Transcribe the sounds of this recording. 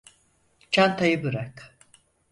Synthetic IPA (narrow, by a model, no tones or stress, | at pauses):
t͡ʃʰant̪ʰajɯbɯɾak